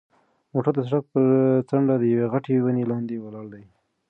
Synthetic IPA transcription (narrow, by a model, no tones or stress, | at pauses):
moʈaɾd̪əsaʈak̚pəɾt͡saɳɖad̪əjaweɣaʈewanelɑnd̪ewalɑɽd̪aj